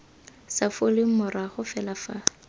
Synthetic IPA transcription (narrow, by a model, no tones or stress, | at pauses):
safolɪŋ̩mʊraχʊfɛlafa